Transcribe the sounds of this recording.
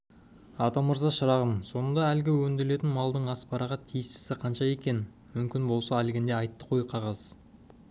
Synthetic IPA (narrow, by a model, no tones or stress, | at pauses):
ɑt̪ɑməɾzɑʃəɾɑʁəmso̞nənd̪ɑælɡʲɪwɵnd̪ɪɾle̞t̪ɪnmɑlˠd̪əɴɑspɑɾɑʁɑt̪ʰijɪst̪ɪ̥sɪqʰɑnʃɑe̞kʲe̞n | mʏmkʲɪnbo̞lˠsɑælɡʲɪnd̪e̞ɑjt̪ːə̥qʰo̞jqʰɑʁɑz̥